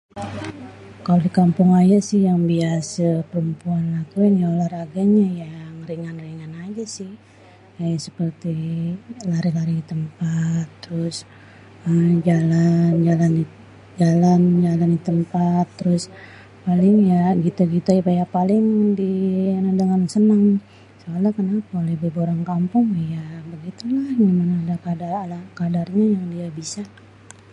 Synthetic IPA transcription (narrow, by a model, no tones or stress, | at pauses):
kalodikampʊŋajasɪhjaŋbiasapəɾumpuanlakuinolahraɡaɲajaŋriŋanriŋanad͡ʒasɪh | asəpərt̪i | laɾilaɾidit̪əmpat̪ːəɾʊs | əmd͡ʒaland͡ʒalan | d͡ʒaland͡ʒalanit̪əmpat̪ːəɾʊs | palɪŋjaɡit̪uɡit̪uapajapalɪŋdianadəŋansənaŋ | soalakənapaolebeboɾaŋkampʊŋjabəɡit̪ulahɡimanaːdakadaralakadarɲajaŋdiabisa